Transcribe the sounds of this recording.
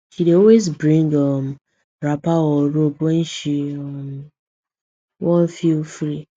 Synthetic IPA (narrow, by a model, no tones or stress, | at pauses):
ʃideɔwezbɹĩŋɡɔm | ɾapaɔɾobwɛ̃nʃiɔm | wɔ̃nfilfɾi